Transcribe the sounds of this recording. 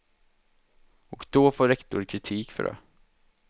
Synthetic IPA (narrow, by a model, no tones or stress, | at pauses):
ɔkd̪ɔːfoːɾɛkt̪ʊɾkʰɾɪt̪ʰiːkfœ̰ɾɛ̰